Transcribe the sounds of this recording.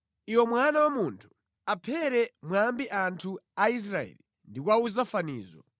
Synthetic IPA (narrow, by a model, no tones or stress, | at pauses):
iwɔmwanawamuntʰu̥ | apʰɛɾɛmwambiʔantʰuais̬ɾaɛ̰ːli | ndikwauzafanḭːzɔ̰